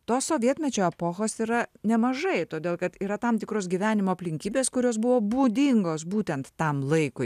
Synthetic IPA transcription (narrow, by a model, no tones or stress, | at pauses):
t̪oːssoːʋʲiɛt̪ʲmʲɛt͡ʃʲoːɛpoːxoːsiːɾɐnʲɛmɐʒɐɪt̪oːd̪ʲeːlˠkɐt̪iːɾɐt̪ɑmt̪ʲɪkɾoːs̬ɡʲiʋʲæːnʲɪmoːɐpʲlʲɪŋʲkʲiːbʲeːskʊɾʲoːs̬bʊʋoːbuːd̪ʲɪŋɡoːsbuːt̪ʲɛnt̪ːɐmlˠɐɪkʊ